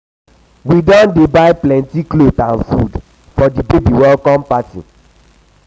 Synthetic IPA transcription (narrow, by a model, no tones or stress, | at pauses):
widɔ̃ndebaɪplɛ̃ntiklotãnfṵd | fɔdibebiwɛlkɔ̃mpatḭ̃